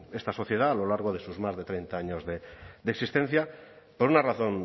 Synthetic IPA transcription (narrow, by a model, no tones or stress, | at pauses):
est̪aso̞θjeðaːlolaɾɣ̞oð̞esuzmazðet̪ɾejnt̪aaɲozðed̪eksist̪en̟θja | poɾunaraθon